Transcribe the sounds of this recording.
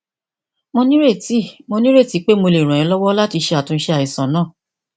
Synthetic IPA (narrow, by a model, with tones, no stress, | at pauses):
mõ˧nĩ˦ɾe˦˨ti˨˦mo˧nĩ˦ɾe˦˨ti˨˦k͡pe˦mo˧le˨ɾ̃ã˨ɛ̃˧˦lɔ˦wɔ˦la˦ti˧ʃe˧a˨tũ˧n̩˦ʃe˧a˨i˨sã˨˦nãː˦˨